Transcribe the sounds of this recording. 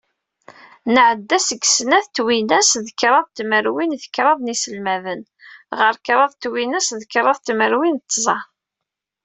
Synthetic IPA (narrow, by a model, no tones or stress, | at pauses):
nəʕəd̪ːæsəɡsnæθt̪winæsðəkɾˤɑðˤt̪məɾwinθə̥kːɾˤɑðˤnisəlmævən | ʁəɾkɾˤɑðˤt̪winæsðəkɾˤɑðˤt̪məɾwint̪ːzˤɑ